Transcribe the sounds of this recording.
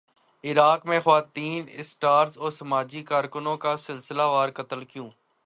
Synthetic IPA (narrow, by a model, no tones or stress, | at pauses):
ɪɾaːkmẽxʊʋaːt̪iːnɪsʈaːɾzɔːɾsɐmaːd͡ʒikaːɾkʊnõkasɪlsɪlaʋaːɾkɐt̪əlkjũː